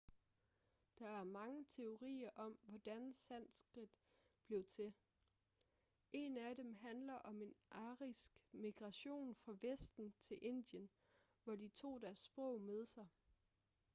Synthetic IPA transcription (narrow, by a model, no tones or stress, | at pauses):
d̥ɑ̈æɐmɑ̈ŋət͡sʰe̝o̝ʁḭːɐʔɒ̽mʋɒd̥ænsæn̰sɡ̥ʁid̥b̥le̝ʊt͡sʰe̝ | ʔe̝næd̥emɦænlɐʔɒ̽me̝nʔɑ̈ʁisɡ̥miɡ̥ʁɑ̈ɕo̝̰ːnfʁɑ̈ʋesd̥n̩t͡sʰe̝lʔe̝n̰d̥jən | ʋɒdit͡sʰo̝̰ːd̥æɐsːb̥ʁɔ̽ʊ̰með̞ˠsɑ̈ɪ